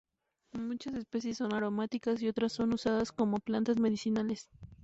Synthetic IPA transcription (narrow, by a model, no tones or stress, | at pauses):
mũt͡ʃase̞spe̞sjesːo̞naɾo̞mat̪ikasio̞t̪ɾasːo̞nusaðasko̞mo̞plant̪azme̞ðisinale̞s